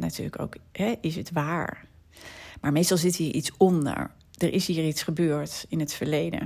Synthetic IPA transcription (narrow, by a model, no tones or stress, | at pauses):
natyːɹləko̰wkɦɛʔɪsətʋaːɹ | maːɹmejstɑlˠzɪtɦiːɹʔitsɔndə̰ɹ | d̥əɹʔɪsɦiːɹitsχəbøːɹtɪnɦətfəɹlejdə̰